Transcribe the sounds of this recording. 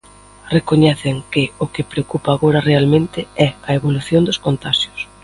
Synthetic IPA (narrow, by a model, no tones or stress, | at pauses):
rekoɲɛθɪŋkɪʊkɪpɾeokupɐːɣoɾɐrealmẽnt̪ɪɛɐeβoluθjond̪ʊskont̪aʃjʊs